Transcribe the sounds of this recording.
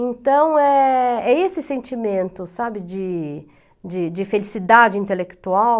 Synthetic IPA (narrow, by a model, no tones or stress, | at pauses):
ẽnt̪ɐ̃w̃ɛɛesɪsẽnt͡ʃimẽnt̪ʊsabɪd͡ʒɪ | d͡ʒɪd͡ʒɪfelisid̪ad͡ʒɪĩnt̪elekt̪uaw